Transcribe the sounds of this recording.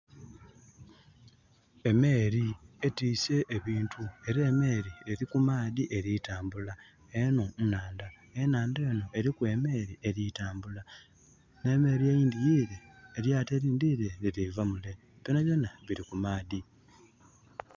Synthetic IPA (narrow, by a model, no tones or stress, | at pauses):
e̞me̞ːɾietiːse̞ʔːβiːntue̞ɾe̞ːme̞ːɾieɾikumaːðiʔe̞ɾitaːmbula | eno̞naːnda | enaːndeːno̞e̞ɾikwe̞ːme̞ːɾieɾitaːmbula | ne̞ːme̞ːɾiejiːndijiːɾeːɾjaːteɾiːndiːɾe̞iɾivamule̞ | ponaβjo̞naβiɾikumaːði